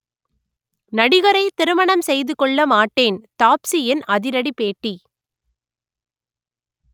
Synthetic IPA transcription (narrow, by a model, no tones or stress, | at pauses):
nɐɽɪɣɐɾɐɪt̪ɪɾɯmɐɳɐmsɛjðɯkɔɭːɐmaːʈːeːnt̪aːpsiɪnɐðɪɾɐɽipeːʈːi